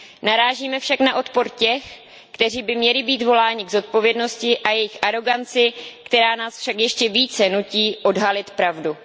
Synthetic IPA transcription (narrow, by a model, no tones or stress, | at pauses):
naɾaːʒiːmɛfʃaknaʔo̞t̪po̞ɾcɛx | kt̪ɛr̝iːbɪmɲɛlɪbiːt̪vo̞laːɲɪɡzo̞t̪̚po̞vjɛdno̞scɪʔajɛjɪxʔaɾo̞ɡant͡sɪkt̪ɛɾaːnaːsfʃakjɛʃcɛviːt͡sɛnuciːʔo̞dɦalɪt̪pɾavdu